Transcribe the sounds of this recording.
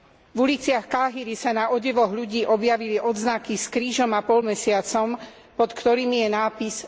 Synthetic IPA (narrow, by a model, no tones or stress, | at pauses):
vulit͡sɪaxkaɦiɾisanaʔɔɟɛʋɔɣʎuɟiːʔɔbjaʋiliʔɔd̪znakiskɾiːʒɔmapɔlmɛsɪat͡sɔm | pɔt̪kt̪ɔɾiːmijɛnaːpis